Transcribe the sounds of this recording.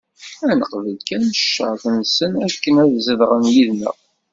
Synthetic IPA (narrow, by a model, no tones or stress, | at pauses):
ænəqvəlkænʃːə̰θənsənækːənæðzəðʁənjiðnə̰